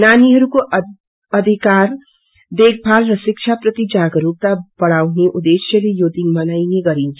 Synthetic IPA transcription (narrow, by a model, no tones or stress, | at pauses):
naniɦʌɾuko | ʌd̪ʱikaɾ | d̪eɡ̚bʱalrʌsik̚t͡ʃʰaprʌt̪id͡ʒaɡɾup̚t̪abʌɽawneʔud̪esjʌlejod̪inmʌnajneɡʌɾint͡sʰʌ̥